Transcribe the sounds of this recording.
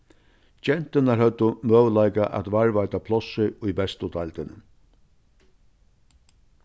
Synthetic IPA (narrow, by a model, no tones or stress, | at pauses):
d͡ʒɛn̥t̪ɪnaɾhœt̪ʊmœːwlajkaʔæ̰t̪vaɹvajt̪apʰlɔsɪʊjbɛst̪ʊt̪ajlt̪ɪnɪn